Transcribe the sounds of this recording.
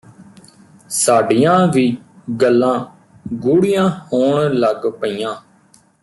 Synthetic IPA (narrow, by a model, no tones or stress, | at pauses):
saːɖiːjãːʋiːɡəlːãː | ɡuːɽijãːhoːɳləɡpəiːjãː